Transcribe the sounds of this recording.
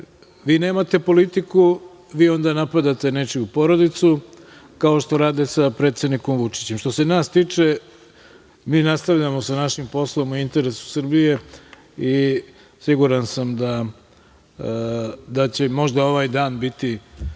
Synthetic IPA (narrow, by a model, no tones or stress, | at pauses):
ʋiːne̞ːmat̪e̞po̞lit̪iku | ʋiːo̞nd̪anapad̪at̪e̞ne̞t͡ʃijupo̞ɾo̞d̪it̪su | kao̞ʃt̪o̞ɾaːd̪esapɾet̪sed̪niko̞mʋut͡ʃi̥t͡ɕe̞mʃt̪o̞se̞naːst̪iːt͡ʂe | miːnast̪aʋʎamo̞sanaʃimpo̞slˠo̞muint̪e̞ɾesu̥sr̩bije̞ | i | siɡuɾansamd̪a | d̪at͡ɕe̞mo̞ʒd̪ao̞ʋaːjd̪aːnbit̪i